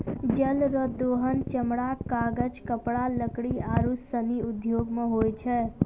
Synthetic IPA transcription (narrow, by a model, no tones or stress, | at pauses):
d͡ʒəlɾəd̪oɦənt͡ʃəmɽakaɡəd͡ʒkəpɽaləkɽiaɾusəniud̪ʱjoɡmeɦojt͡ʃʰɛ